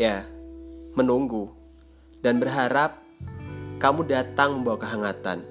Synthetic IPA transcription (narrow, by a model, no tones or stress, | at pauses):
ja | mənuŋɡu | danbərɦaɾap̚ | kamudat̪aŋməmbawakəɦaŋat̪a̰n